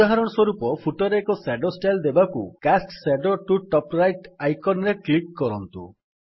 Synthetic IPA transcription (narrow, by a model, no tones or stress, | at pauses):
aɦaɾɔɽ̃ɔswɔɾupɔpʰuʈɔɾeːkɔseɖɔsʈajld̪ebakṵkasʈseɖɔʈuʈɔpɾajʈajkɔnɾeklikːɔɾɔnt̪ṵ